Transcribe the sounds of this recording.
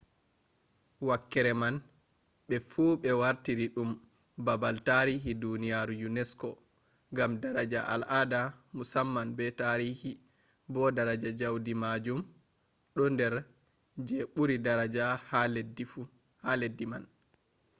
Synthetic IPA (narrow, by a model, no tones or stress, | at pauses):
wakːɛɾɛman | ɓɛfuːɓɛwaɾtiɾiɗum | babaltaɾiɦidunijaɾujunɛskɔ | ŋɡamdaɾad͡ʒaʔa̰lʔadamusamːanbɛtaɾihi | bɔdaɾad͡ʒad͡ʒawdimad͡ʒum | ɗɔndɛɾ | d͡ʒɛɓuɾidaɾad͡ʒahaledi | haledːiman